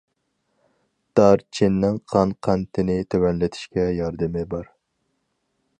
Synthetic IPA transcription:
d̪̥ɑɾt͡ʃʰinːɪŋqʰɑnqʰænt̪ʰɪnɪt̪ʰøwɛnlɪt̪ʰi̥ʃkʲɛjɑɾd̪ɨmɪbɑɾ

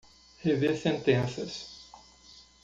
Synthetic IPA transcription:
hevesẽnt̪ẽnsɐs

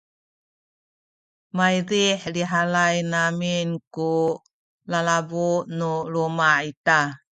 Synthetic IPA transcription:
majɾiħliɦalajnaminku | lalabunulumaita

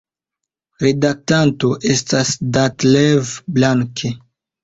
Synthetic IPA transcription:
ɾedak̚tanto̞ʔe̞stasdatlevblaŋkʰe

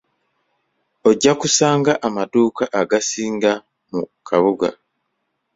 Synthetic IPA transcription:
oɟːakusaːŋɡaʔamaduːkaʔaɡasiːŋɡa | mukʰaβuɡa̰

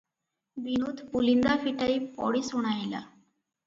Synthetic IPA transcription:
binuːt̪pulind̪afiʈaipɔ̰ɽiːsuɽ̃ajla̰

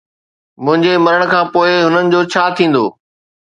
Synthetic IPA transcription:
mʊ̃ɦɪ̃ɲd͡ʑemɐɾəɽ̃̆kʰãːpoːɪɦʊnənɪ̆d͡ʑoːt͡ɕʰaːt̪ʰĩːn̆d̪oː

